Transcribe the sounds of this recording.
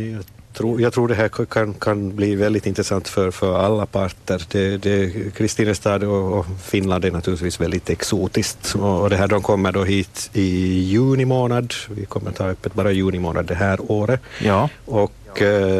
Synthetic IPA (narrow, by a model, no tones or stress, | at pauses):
jɑːɡ | t̪ʰɾuːjɑːɡt̪ʰɾuːɖɛɦæːkʰankʰanbliːvɛld̪ɪt̪ɪnt̪ɾɛsant̪fœɾfœɾalːapʰaɾʈəɾd̪ɛd̪ɛkʰɾɪst̪iːnəst̪ɑːd̪ɔɔfɪnland̪æɳat̪ʰʉːɾlɪt̪viːsvɛld̪ɪt̪ɛksuːt̪ɪskt̪ɔɔd̪ɛɦæːɖɔmkʰɔmːəɖɔɦiːt̪ɪjʉ̟ːnɪmoːnad̪vɪkʰɔmːəɾɔt̪ʰɑːœpːət̪̚bɑːɾajʉːnɪmo̰ːna̰d̪d̪ɛɦæːɾoːɾə | ɔk